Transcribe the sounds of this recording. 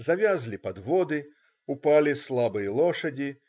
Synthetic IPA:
zavʲazʲlʲipɐd̪vɔd̪ɨ | upalʲislˠabɨjɐlˠɔʂɐd͡zʲi

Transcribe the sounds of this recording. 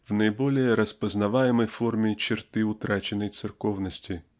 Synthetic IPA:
vnəɪbolʲɪjəɾəspəznɐvajɪməjformʲɪt͡ɕɪrt̪ɨʊt̪ɾat͡ɕɪnːəjt̪sɨrkovnəsʲtʲɪ

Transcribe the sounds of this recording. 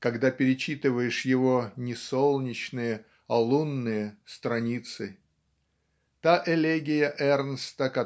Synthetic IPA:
kɐɡd̪apʲɪɾʲɪt͡ɕit̪ɨvəjɪʂjɪvo̞nʲɪsolˠnʲɪt͡ɕnɨjə | ɐlˠunːɨjəst̪ɾɐnʲit̪sɨ | t̪aʔɛlʲeɡʲɪjəʔɛrnst̪əkɐ

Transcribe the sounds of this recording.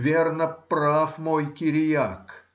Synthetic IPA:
vʲernəpɾafmojkʲɪɾʲɪjak

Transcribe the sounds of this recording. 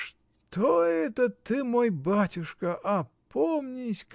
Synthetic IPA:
ʂ | t̪oɛt̪ət̪ɨmojbatʲʊʂkəʔɐpʰomnʲɪsʲk

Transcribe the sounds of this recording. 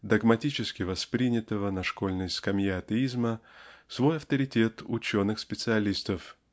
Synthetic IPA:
d̪ɐɡmɐtʲit͡ɕɪskʲɪvɐspɾʲinʲɪt̪əvənɐʂko̞lʲnəjʲskɐmjeɐt̪əizməsvo̞jɐft̪əɾʲɪtʲe̞t̪ʊt͡ɕo̞nɨxspʲɪt̪sɨɐlʲist̪əf

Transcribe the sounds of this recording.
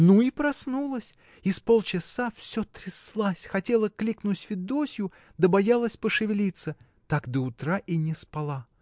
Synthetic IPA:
nuipɾɐsnulˠəsʲ | ispo̞lˠt͡ɕɪsafsʲot̪ɾʲɪslˠasʲxɐtʲe̞lˠəklʲiknʊtʲvʲɪd̪osʲjʊ | d̪əbɐjalˠəsʲpəʂɨvʲɪlʲit̪sə | t̪akd̪əʊt̪ɾaʔinʲɪspɐlˠa

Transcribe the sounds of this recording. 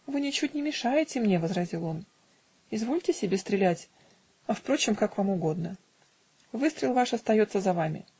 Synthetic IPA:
vɨnʲɪt͡ɕut̚ʲnʲɪmʲɪʂajɪtʲɪmnʲe̞vəzɾɐzʲilˠo̞n | ɪzvo̞lʲtʲɪsʲɪbʲe̞st̪ɾʲɪlʲætʲ | ɐfpɾo̞t͡ɕɪmkakvamʊɡo̞d̪nə | vɨst̪ɾʲɪlˠvaʂɐst̪ɐjo̞t̪səzɐvamʲɪ̰

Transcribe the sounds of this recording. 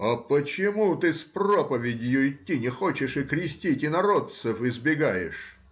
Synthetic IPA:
ɐpət͡ɕɪmut̪ɨspropəvʲɪdʲjʊɪt̪ʲːinʲɪxot͡ɕɪʂɨkɾʲɪsʲtʲitʲɪnɐɾot̪sɨfɪzbʲɪɡajɪ̰ʂ

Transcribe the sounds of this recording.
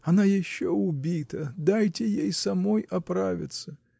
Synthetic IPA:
ɐnajɪɕːɔʊbʲit̪əd̪ajtʲɪjejsɐmɔjɐpɾavʲɪ̰t̪sːə

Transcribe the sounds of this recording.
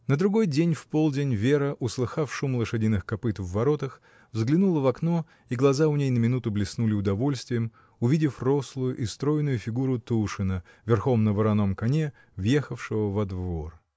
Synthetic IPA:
nəd̪ɾʊɡo̞jdʲenʲfpolˠdʲɪnʲvʲeɾəʔʊslˠɨxafʂumlˠəʂɨdʲinɨxkɐpɨt̪vːɐɾot̪əx | vzɡlʲɪnulˠəvɐkno | iɡlˠɐzaʊnʲejnəmʲɪnut̪ʊblʲɪsnulʲɪʊd̪ɐvo̞lʲst̪vʲɪjəm | ʊvʲidʲɪfro̞slˠʊjʊʔɪst̪ɾo̞jɪnʊjʊfʲɪɡuɾʊt̪uʂɨnə | vʲɪrxo̞mnəvəɾɐno̞mkɐnʲe | vjexəfʂɨvəvɐd̪vo̞r

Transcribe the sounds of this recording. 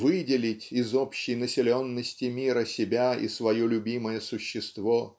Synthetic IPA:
vɨdʲɪlʲɪtʲɪzopɕːɪjnəsʲɪlʲo̞nːəsʲtʲɪmʲiɾəsʲɪbʲaḭsvɐjolʲʊbʲiməjəsʊɕːɪst̪vo

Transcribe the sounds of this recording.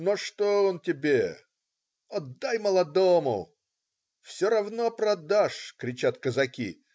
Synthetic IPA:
noʂt̪oontʲɪbʲe | ɐd̪ːajməlˠɐd̪omʊ̰ | fsʲoɾɐvnopɾɐd̪aʂkɾʲɪt͡ɕat̪kəzɐkʲḭ

